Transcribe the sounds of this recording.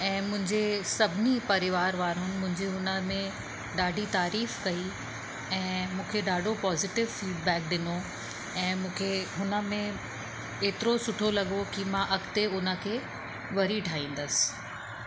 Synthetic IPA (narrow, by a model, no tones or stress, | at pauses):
ɛ̃ːmʊ̃ɦɪ̃ɲd͡ʑesɐbʱɪnipɐɾɪʋaːɾʋaːɾʊnɪ̆mʊ̃ɦɪ̃ɲd͡ʑeɦʊnəmẽ | ɗaːɖʱit̪aːɾiːfkɐi | ɛ̃ːmũːkʰeɗaːɖʱopɔːzɪʈɪʋfiːɖbɛːk̚ɗɪno | ɛ̃ːmũːkʰeɦʊnə̆mẽ | eːt̪ɪɾosʊʈʰolɐɠokimãʔɐkt̪eʊnə̆kʰeː | ʋɐɾiʈʰaːĩːn̆d̪əsɪ̥